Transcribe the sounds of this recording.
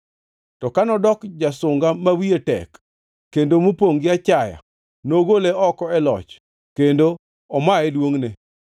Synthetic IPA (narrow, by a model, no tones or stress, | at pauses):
tɔkanɔdɔkd͡ʒasʊŋɡamawietɛ̰kː | endomupoŋɡɪat͡ʃaja̰ | noɡoleɔkɔɛlɔ̰t͡ʃ | kendo | ɔmaɛlwoŋne